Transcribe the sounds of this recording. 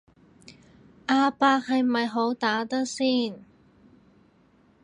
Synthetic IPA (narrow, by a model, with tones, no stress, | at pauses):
ʔaː˧paː˧k̚hɐ˨jmɐ˨jɦo˨˥wt̪aː˨˥t̪ɐ˥k̚siː˥˩n